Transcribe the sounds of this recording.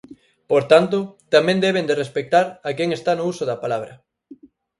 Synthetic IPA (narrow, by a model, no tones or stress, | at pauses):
poɾt̪ant̪ʊt̪amɛ̃nd̪ɛβ̞end̪erespek̚t̪aɾakɛŋest̪anʊusʊðɐpalaβ̞ɾɐ̰